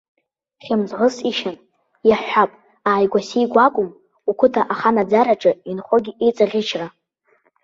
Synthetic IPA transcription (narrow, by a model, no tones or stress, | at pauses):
χʲamzʁəsiʃan | jaħʷapʼ | aːjɡʷasijɡʷakʷʼʊm | ukʷʰʊtʰaʔaχanad͡zaɾaʈ͡ʂʼɨinχʷoɡʲiʔejt͡sʼaʁʲɪt͡ʃʰra